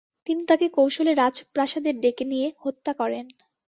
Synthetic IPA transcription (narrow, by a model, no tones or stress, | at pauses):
t̪init̪akekowʃoleɾad͡ʑpɾaʃad̪eɾɖekenijehot̪ːakɔɾen